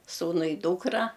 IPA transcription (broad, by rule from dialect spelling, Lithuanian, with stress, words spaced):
ˈsuːnʊ ɪ ˈduːkrɐ